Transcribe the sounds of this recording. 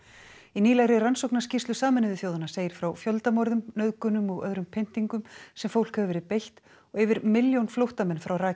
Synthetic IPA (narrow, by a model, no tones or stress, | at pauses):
iniːlaɣɾɪransowknascist̪ʏsaːmɪnɪðɪfjoːwðanaseːjɪɾ̥fɾawfjœlt̪amɔɾðʏmnœðkʏnʏmɔɣœ̰ðɾʏmpʰejn̥t̪iŋkʏmsɛmfowl̥khɛvvɛɾɪpejl̥t̪ | ɔɣɛvɪɾmɪljownflowht̪amɛnːfɾawraː